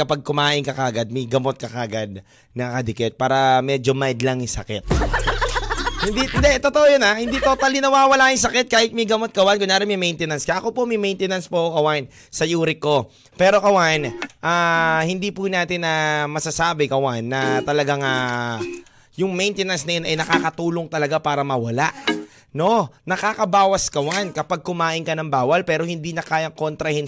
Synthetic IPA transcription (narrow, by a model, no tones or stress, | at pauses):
kɐpaɡ̚kʊmaːʔɪnkɐkɐʔɐɡad̪̚mɐjɡɐmot̪̚kɐkɐʔɡad̪̚ | nɐkɐd̪ɪkɛt̪̚paːɾɐmɛːd͡ʒomajd̪lɐŋsɐkɛt̪̚ | hɪnd̪ind̪ɛt̪ot̪oʔojonahɪnd̪it̪ot̪alɪnɐwawɐlaːjɪŋsɐkɛt̪̚kaːhɪt̪̚mɐjɡɐmot̪̚kɐwankʊnaːɾɪmɐmɛjnt̪ɛnɐnskɐʔɐko̞pomɐjmɛjnt̪ɛnɐnspoʔokɐwaʔn | sɐjuːɾɪkːo̞ | pɛːɾo̞kɐwanʔaːhɪnd̪ipʊnaːt̪ɪnɐmɐsasaːbɪkɐwanːɐt̪ɐlɐɡaŋa | jʊŋmɛjnt̪ɛnɐnsnɐjonɐjnɐkaːkɐt̪uːloŋt̪ɐlɐɡapaːɾɐmɐwɐlaʔ | no̞nɐkaːkɐbaːwɐskɐwankɐpaɡ̚kʊmaːʔɪnkɐnɐŋbaːwɐlpɛːɾo̞hɪnd̪iːnɐkaːjɐŋko̞nt̪ɾɐhɪn